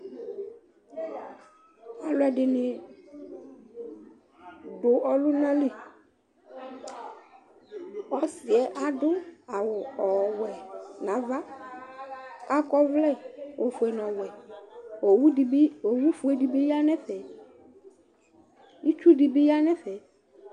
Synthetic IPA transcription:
a˨lʊ˦ɛ˨dɪ˨nɪ̃˨ | ɖʊ˨ʔɔ˨lʊ˦nã˦le˨ | ɔ˦sɪ˨ɛ˨ʔa˨dʊ˦a˨wʊ˨ɔ˨wɛ˨nã˨va˦ | a˦kɔ˦vlɛ˦˨wo˨fʊ˨ɛ˨nɔ̃˨wɛ˨ | o˨wi˦bo˨wu˦fʊ˨ɛ˨di˨bi˦ja˦nɛ̃˦fɛ˨ | i˦t͡ʃu˦di˨bi˦ja˦nɛ̃˦fɛ˨

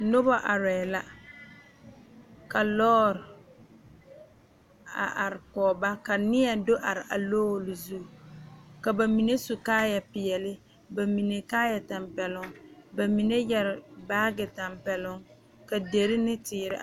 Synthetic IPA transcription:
nʊ˦ba˦ʔa˨ɾɛ˨la˦ | ka˨lɔː˦ɾ | a̰˨ʔa˨ɾɪ˨kɔː˨ba˦ka˨nɪ˦a˨do˦ʔa˨ɾɪ˨ʔa̰˨loː˦˨lɪ˨zu˦˨ka˨ba˨mi˨ne˦su˨kaː˦jɛ˨pɪ˨ɛ˨lɪ˦ | ba˨mi˨ne˨kaː˦jɛ˨ta˨mpɛ˨lʊ˦ŋba˨mi˨ne˦jɛ˨ɾɪ˨baː˦ɡɪ˨ta˨mpɛ˨lʊ˦ŋ | ka˨de˨ɾɪ˦nɪ˦tɪː˨ɾɪ˦

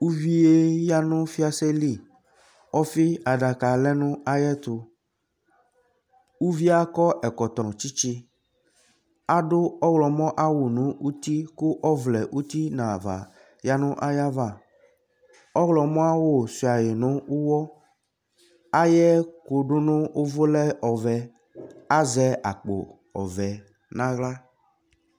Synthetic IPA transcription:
u˦vi˦e˦ja˦nʊ̃˦fi˦a˦sɛ˦li˦˨ | ɔ˦fɪ˦a˨ɖa˨ka˨lɛ˦nʊ̃˦a˦jɛ˦t̪ʊ˨ | u˦vi˦a˦kɔ˦ʔɛ˨kɔ˨t̪ɔ˨t͡ʃi˦t͡ʃi˦ | a˦ɖʊ˦ɔ˦wlɔ˨mɔ̃˦ʔa˦wo˨nũ˨˦u˦t̪i˦kʊ˦ʔɔ˦vlɛ˨ʔu˦t̪i˦nã˨va̰˨ | ja˦nʊ̃˦ʔa˦ja˦va˦˨ | ɔ˦ɣlɔ˨mɔ̃˦a˦wo˦˨si˨a˨je˨nʊ̃˦u˦wɔ˦ | a˦jɛ˦ko˨ɖʊ˦nʊ̃˦o˦vo˦lɛ˦ʔɔ˨vɛ˨ | a˦zɛ˦a˨k͡po̰˨ | ɔ̰˨vɛ˨ | nã˦ɣla˦

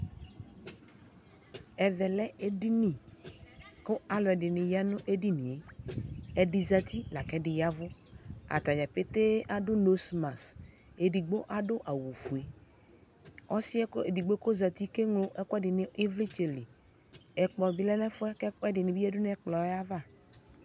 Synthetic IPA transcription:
ɛ˨ðɛ˨lɛ˦e˨di˦nĩ˨ | kʊ˦a˨lɔ˨ɛ˨dɪ˨nɪ̃˨ja˦nʊ̃˦ʔe˦di˦nĩ˨e˨ | ɛ˨dɪ˨za˨t̪ʰi˦la˨kɛ˦dɪ˨ja˦vʊ˦a̰˨t̪a˨d͡ʒa˨pe˦t̪e˦ʔa˨dʊ˦no˦sma˨s | e˨di˨ɡ͡bo˦ʔa˦dʊ˦ʔa˨wu˨fu˨e˨ | ɔ˦sɪ˦e˨di˨ɡ͡bo˦ko˦za˨t̪i˦ke˦ŋlo˦ʔɛ˦kʊ˦ɛ˦dɪ˨nɪ˨i˦vli˦t͡ʃe˨li˨ | ɛ˨k͡pɔ˨bi˦lɛ˦nɛ˦fʊ˦ɛ˦ɛ˦dɪ˨nɪ̃˨bi˦ɛ˦dʊ˦nɛ˦k͡plɔ˨˦a˦va˦˨

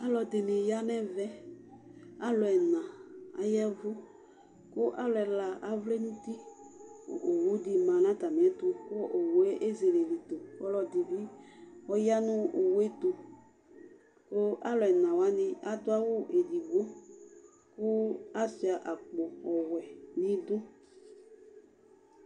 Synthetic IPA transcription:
a˦lɔ˨dɪ˨nɪ̃˨ja˦nɛ̃˦vɛ˦ | a˦lʊ˨ɛ˨nã˨a˦jɛ˦vʊ˦ | kʊ˦ʔa˦lʊ˨ɛ˨la˨ʔa˦vle˦nũ˦t̪i˦kʊ̰˦ʔo˨wu˦dɪ˨mã˨nã˦t̪a˨mɪ̃˨ɛ˦t̪ʊ˨kʊ˦ʔo˨we˦ʔe˦ze˨le˨li˨t̪o˨ɔ˦lɔ˨dɪ˨bi˦ɔ˦ja˦nʊ̃˦o˨we˦t̪ʊ˨ | kʊ˦ʔa˦lʊ˨ɛ˨nã˨wa˨˦nɪ̃˦a˦dʊ˦a˦wʊ˦ʔe˨di˨ɡo˦ | kʊ˦a˦si˨a˨ʔa˨k͡pʊ˨ɔ˨wɛ˨nɪ̃˦dʊ˦

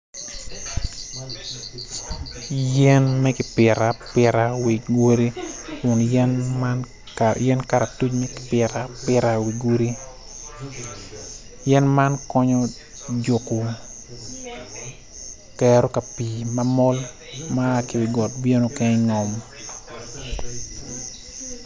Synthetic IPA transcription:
jɛ˦nmɛ˦kɪ˨pɪ˨ɾa˨pɪ˨ɾa˨wi˨ɡwo˦ɾi˦kʊ˨njɛ˦nn | jɛ˦nka˦ɾa˨tu˦t͡ʃmɛ˦kɪ̥˨pɪ˨ɾa˨pɪ˦ɾa˨wi˨ɡo˦ɾi˦ | jɛ˦nma˦nkɔ˦ɲɔ˦ | d͡ʒo˨ku˨ | kɛɾo˦ka˨pi˨ma˦mɔ˦l | ma˦˨ki˨wɪ˨ɡɔ˨t̚bje˦no˨kɛ˦ŋɔ˨m

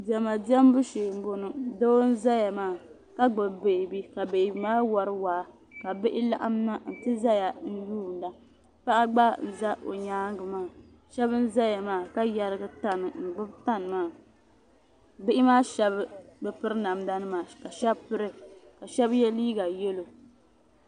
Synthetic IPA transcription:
dɛ˨ma˨di˦ɛ˦m˦bu˦ʃe˨m̩˦bo˨nɨ˨do˦n̩˦za˦ja˨maː˦˨ | ka˦ɡ͡bɨ˨bbe˨bi˦ka˨be˨bmaː˦wa˨ɾɨ˦waː˨ | ka˨bɪ˦ʔɪ˦la̰˦ʔa̰˦m˦na˦n̩˨tɨ˦za˦ja˨n̩˦juː˦˨n˨˦da˦ | pa˦ʔa˦ɡ͡ba˦n̩˨za˦ʔo̰˨ɲaː˦ŋ˦ɡɨ˨maː˦˨ | ʃɛ˦bɨ˦n̩˦za˦ja˨maː˦˨ka˦ja˨˦ɾɨ˦ɡɨ˦ta˦nɨ˨ŋ̩˨ɡ͡bɨ˦bta˦nɨ˨maː˦˨ | bɪ˦ʔɪ˦maː˦ʃɛ˦bɨ˦bɛ˨pɨ˦ɾɨ˦na˨mda˦nɨ˦maː˨ka˨ʃɛ˦bpɨ˦ɾɨ˦ka˨ʃɛ˦bjɛ˦liː˦ɡa˨jɛ˦lo˨

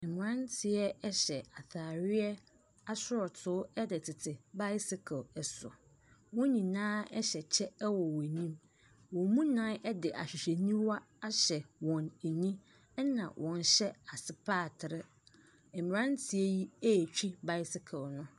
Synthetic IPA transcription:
mɪ̃˨ɾã˦ntʰɪ˨ɛ˦ɛ˦ɕɛ˨a˨θaː˨ɾɪ˦ɛ˦ | a˦sʊ˦ɾɔ˨tʰʊ˨˦ɛ˦dɪ˨tʰɪ˨tʰɪ˨ba˦jɪ˦sɪ˦kʰa˨ɛ˨sʊ̰˨ | wɔ̃˦ɲĩ˨nãː˦ɛ˦ɕɛ˨t͡ɕʰɛ˦wɔ˨wɛ˨ɲĩ˦m | wɔ̃˨mũ˦nãː˦ɛ˦dɪ˨ʔa̰˨ɕᶣɪ˨ɕe˨nĩ˦wa˦ | a˦ɕɛ˨wɔ̃˨næ˨ɲĩ˦ | ɛ˦nã̰˨wʔɔ̃˨n˨˦ɕɛ˦a˨sɪ˨pʰaː˦˨tʰɪ˨ɾɪ˦ | ɛ˨mɪ̃˨ɾã˦n˦tʰɪ˨ɛ˦ji˦e˦˨t͡ɕᶣi˦ba˦jɪ˦sɪ˦kʰa˨wnʊ̃˦

